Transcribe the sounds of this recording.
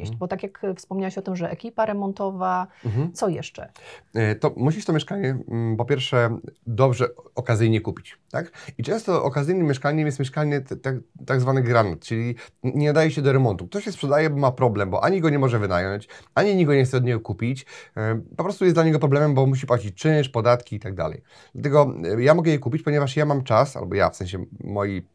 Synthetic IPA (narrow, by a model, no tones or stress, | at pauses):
ḛɕbɔt̪akʲjakfspɔmɲawɛɕɔt̪ɨmʐɛɛkʲipaɾɛmɔnt̪ɔvaɦm̩t̪sɔjɛ̰ʂt͡ʂɛ̰ | t̪ɔmuɕiʃt̪ɔmjɛʂkaɲɛpɔpʲjɛɾfʂɛd̪ɔbʐɛɔkazɘjɲɛkupʲi̥t͡ɕt̪akit͡ʂɛ̃w̃st̪ɔʔɔkazɘjnɘmʲːjɛʂkaɲɛmjɛst̪mʲjɛʂkaɲɛt̪ɛt̪aɡzvanɘɡɾanɛt̪t͡ʂɘlʲiɲɛad̪ajɛɕɛd̪ɔɾɛmɔnt̪uk̚t̪ɔɕɕɛspʂɛd̪ajɛbɔmapɾɔblɛmbɔ̰ʔaɲiɡɔɲɛmɔʐɛvɘnajɔɲt͡ɕaɲiɲiɡɔɲɛxt̪sɛɔd̪ɲeɛɡɔkupʲit͡ɕ | pɔpɾɔst̪ujɛd̪laɲɛɡɔpɾɔblɛmɛmbɔmuɕ̬ipwat͡ɕit͡ɕt͡ʂɛ̃ʂpɔd̪at̪kʲiːt̪aɡ̚d̪a̰lɛ̰j | d̪̥lat̪ɛɡɔjamɔɡɛjɛkupʲit͡ɕpɔɲɛvaʂjamamt͡ʂasa̰lbɔja̰fsɛ̃ɕɛmɔji